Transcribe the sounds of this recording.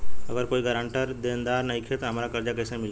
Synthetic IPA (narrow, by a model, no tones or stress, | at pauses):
ɐɡəɾkoːiɡəɾãːɳʈəɾd̪eːnd̪aːɾnɐɦĩkʰet̪oɦɐmɾakɐɾd͡ʒakɛːsemɪl